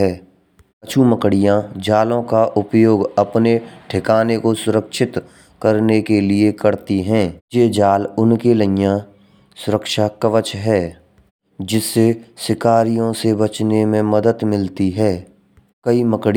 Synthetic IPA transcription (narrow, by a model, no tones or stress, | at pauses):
ɛː | t͡ʃʰuməkɽijãd͡ʒaːlõkaʔʊpjoːɡɐpneʈʰɪkaːnekosʊɾəkʃɪt̪ | kəɾnekeliekəɾt̪iɦɛ̃ːjeːd͡ʒaːlʊnkeləjã | sʊɾəkʃakəʋət͡ʃɦɛː | d͡ʒɪsːesɪkaːɾijõsebət͡ʃnemẽməd̪əd̪mɪlt̪iɦɛː | kəiməkɽ